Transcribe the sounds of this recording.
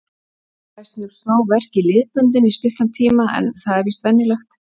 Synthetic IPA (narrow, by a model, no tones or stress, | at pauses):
asɪnʏɾ̥snaːwvɛr̥cɪlɪːðpʏnt̪̬ɪnist̪ʏft̪ant̪ʰiːmaʔɛ̰nθaðɛɾvist̪ɛnjɪlɛxt̪